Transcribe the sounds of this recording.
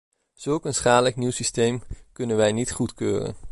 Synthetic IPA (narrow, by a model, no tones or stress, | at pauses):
z̥ɵlˠkənsχaːləkniwsistejmkɵnənʋɛjnitχutkø̰ːrə̰n